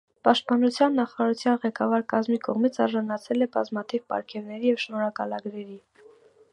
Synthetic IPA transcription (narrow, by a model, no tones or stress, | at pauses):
pɑʃt̪̚pɑnut͡sʰjɑnːɑχɑɾɑɾut͡sʰjɑnʁɛkɑvɑɾkɑzmikɔʁmit͡sʰɑɾʒɑnɑt͡sʰɛlɛbɑzmɑt̪ʰivpɑ̰ɾkʰɛvn̪ɛɾijɛvʃnɔɾɑkɑlɑɡɾɛɾi